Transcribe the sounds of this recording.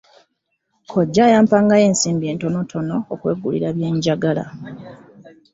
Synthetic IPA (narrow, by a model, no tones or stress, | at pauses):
kʰoɟːaːjaːmpaːŋɡaje̞ːnsiːmbie̞ːnto̞no̞tʰo̞no̞okwe̞ːɡulḭɾaβjeːɲɟaɡala̰